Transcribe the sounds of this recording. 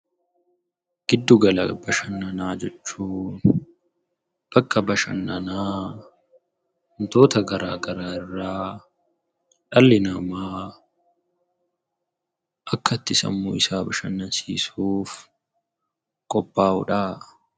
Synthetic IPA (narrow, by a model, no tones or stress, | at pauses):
ɡ̥ɪd̪ːʊɡɐlɐbɐʃɐnːɐnaːd͡ʒɛt͡ʃːuːn | b̥ɐkːɐbɐʃɐ̰nːɐnaː | hʊnt̪o̞ːt̪ɐɡɐɾa̰ːɡɐɾaːɪrːaː | ᶑɐlːɪnɐmaː | ʔɐkːɐt̪ːɪsɐ̰mːo̰ːɪsaːbɐʃɐnːɐnsiːsuːf | kʼɔbːaːʊᶑaː